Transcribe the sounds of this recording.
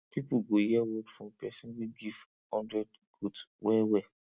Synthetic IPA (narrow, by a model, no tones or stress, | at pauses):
pipuɡojɛwɔfɔ̃mpʰɛsĩnwiɡiv | hɔ̃ndɾɛd | ɡ̥odswɛwɛ